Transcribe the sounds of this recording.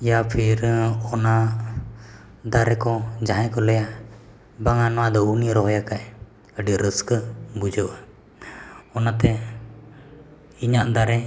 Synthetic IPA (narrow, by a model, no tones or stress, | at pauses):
japʰiɾɔna | d̪aɾɛkɔd͡ʒaɦɛ̃kɔlɛja | baŋanɔwad̪ɔuniɾɔɦɔjakaʔ | əɖiɾəskəbud͡ʒəʔa | ɔnat̪ɛ | iɲaʔd̪aɾɛ